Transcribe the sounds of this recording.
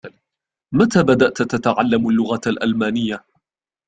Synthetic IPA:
mat̪aːbad̪aʔt̪t̪at̪aʕalːamalːʊɣalʔa̰lmaːnɪjːa

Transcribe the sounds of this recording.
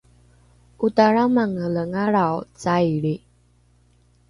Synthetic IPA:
ʔutaɾamaŋələŋaɾawt͡sajɭi

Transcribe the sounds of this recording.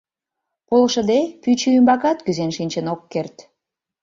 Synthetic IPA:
polʃə̆d̪epyt͡ɕyymbɑkɑt̪kyzenʃinʲt͡ɕenokːert̪

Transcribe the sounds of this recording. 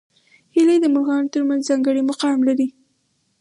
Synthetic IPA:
hiled̪əmʊlɣɑnt̪əɾmanzzɑŋɡəɽimʊqɑwɪmlaɾi

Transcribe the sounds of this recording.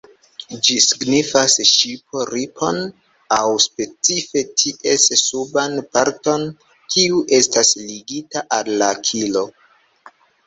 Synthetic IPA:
d͡ʒisiɡnifasʃipʰo̞ɾipʰo̞n | awspe̞t͡sife̞tʰiʔe̞ssubanpaɾto̞n | kʰiuʔe̞stasliɡitaʔalːakʰilo̞

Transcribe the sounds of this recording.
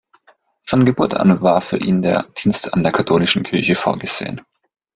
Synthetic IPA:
fɔnɡəbuːɐta̰nvaːɐfyːɐʔiːndeːɐd̥iːnstʰa̰ndeːɐkʰatʰoːlɪʃn̩kʰɪɐçəfo̰ːɐɡəz̥ḛːən

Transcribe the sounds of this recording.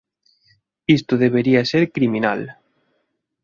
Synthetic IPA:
ist̪ʊðeβ̞eɾiaseɾkɾiminal

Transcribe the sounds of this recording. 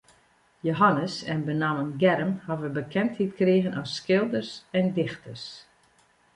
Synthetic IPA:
joɦanəsɛnbənamənɡɛɾəmhɔʋəbəkʰɛnthitkreːɣənɔsːkɪlˠdərsɛndɪxtərs

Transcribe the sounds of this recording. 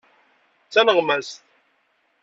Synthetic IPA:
t͡sːænəʁmæst̪

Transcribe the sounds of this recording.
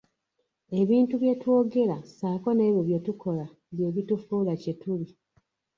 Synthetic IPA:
e̞βiːntuβje̞two̞ːɡe̞lasaːko̞ne̞ːβjoβje̞tuko̞la | βje̞ːβitufuːlace̞tuβi

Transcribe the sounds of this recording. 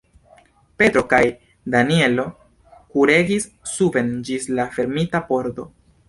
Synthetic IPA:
pe̞t̪ɾo̞kaj | danie̞lo̞ | kuɾe̞ɡisː | uve̞nd͡ʒislafe̞ɾmitapo̞ɾdo̞̰

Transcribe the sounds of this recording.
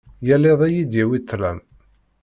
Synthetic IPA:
jæleðˤæjid̪jæwit̪ːlæm

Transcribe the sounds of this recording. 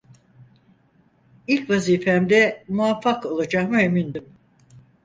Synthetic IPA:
ilʲcvaziːfɛmd̪ɛmuafːako̞lˠad͡ʒahmɯemind̪ym

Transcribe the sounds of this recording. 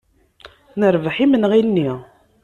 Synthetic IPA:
nəɾvəħimənʁinːi

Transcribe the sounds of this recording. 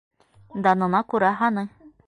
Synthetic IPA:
nd̪anõnakuɾaɦanɯ

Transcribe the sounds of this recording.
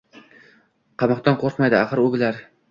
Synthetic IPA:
qʰɑmɒqt̪ɒnqʰoɾqmajd̪ɪaqɨɾʊbɪlaɾ

